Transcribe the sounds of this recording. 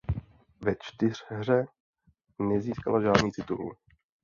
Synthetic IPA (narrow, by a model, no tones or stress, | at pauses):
vɛt͡ʃt̪ɪr̝̥ɦr̝ɛ | nɛziːskalaʒaːdnɲiːt͡sɪt̪ṵlɪ